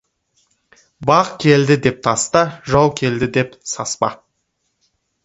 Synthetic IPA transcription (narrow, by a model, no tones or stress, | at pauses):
bɑqkʲʰe̞ld̪ɪd̪e̞p̚t̪ʰɑst̪əʒɑwˠkʲʰe̞ld̪ɪd̪e̞psɑspɑ̰